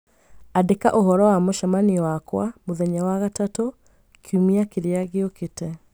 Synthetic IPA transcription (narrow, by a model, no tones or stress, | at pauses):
adekaʔoɦɔɾɔwamoʃamaniwakwamoðɛɲawaɣatato | kʰiumiakeɾeaɣeoketɛ